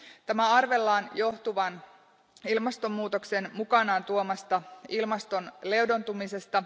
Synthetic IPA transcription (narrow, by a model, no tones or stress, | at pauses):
t̪æmæɑrʋe̞lːɑːnjo̞ht̪uʋɑn | ilmɑst̪o̞mːuːt̪okse̞nmukɑnɑːnt̪uomɑst̪ɑilmɑst̪o̞nle̞wdont̪umise̞st̪ɑ